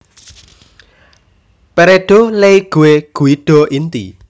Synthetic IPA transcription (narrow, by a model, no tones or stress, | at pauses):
peɾeɖ̪̥ɔ̤leiɡ̥ṳweɡ̥ṳiɖ̥ɔ̤ʔint̪i